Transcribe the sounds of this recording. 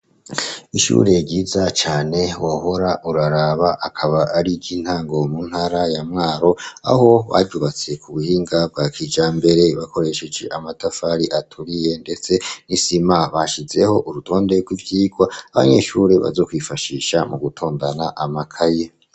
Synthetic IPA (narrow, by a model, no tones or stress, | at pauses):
iʃṵːɾe̞ɟiːzat͡ʃaːne̞woho̞ɾaʔuɾaɾaβaʔakʰaβaʔaɾiɟin̥haːŋɡo̞mun̥haɾajamŋaːɾo̞a̰ho̞βa̰ɟuβat͡se̞kuβuhiːŋɡab̚ɡaːkid͡ʒaːmbe̞ɾe̞βako̞ɾe̞ʃed͡ʒe̞̰ʔamatafaːɾiʔatʰuɾije̞nde̞t͡se̞nisimaβaʃize̞ho̞ʔuɾutʰo̞ːnde̞ɡwivjiːɡwaaβa̰ɲe̞̰ʃuɾe̞βa̰zo̞kwifaʃiʃamuɡutʰo̞ːndanaʔamakʰaje